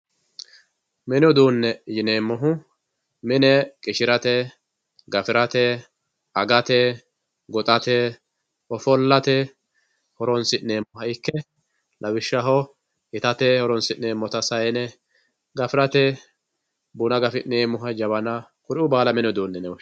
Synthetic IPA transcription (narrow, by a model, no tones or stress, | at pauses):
mɛnjɔd̪uːnːɛjɪneːmːɔɦʊ | mɪnɛkʼɪʃɪɾɐt̪ɛ | ɡɐfɪɾɐt̪ɛ | ɐɡɐt̪ɛ | ɡɔt̪ʼɐt̪ɛ | ɔfɔlːɐt̪ɛ | hɔɾɔnsɪʔneːmːʊɦɐɪkːɛ | lʔɐwɪʃːɐɦɔ | ɪt̪ɐt̪ɛhɔɾɔnsɪʔneːmːɔt̪ɐsɐjɛnɛ | ɡɐfɪɾɐt̪ɛ | buːnɐɡɐfɪneːmːʊɦɐd͡ʒɐbɐnɐ | kʊɾɪʊbaːlɐmɛnjɔd̪uːnːɛnɛwɔ